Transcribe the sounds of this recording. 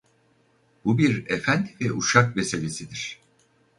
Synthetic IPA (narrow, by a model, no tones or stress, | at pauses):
bubiɾefænd̪ivɛʔuʃakbese̞lʲe̞sid̪iɾ̥